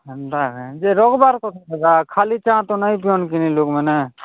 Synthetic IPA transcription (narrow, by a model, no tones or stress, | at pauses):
dakd͡ʒeɾɔɡbaɾkɔt̪ʰɔtɛɡakʰalit͡ʃãt̪ɔnaj̃piɔnkinilokmɛnɛ